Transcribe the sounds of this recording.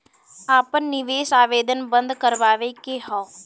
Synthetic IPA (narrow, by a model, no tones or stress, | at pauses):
aːpənːɪʋeːsaːʋeːd̪ʱənbə̃nd̪ʱkəɾʋaːʋekeɦɔː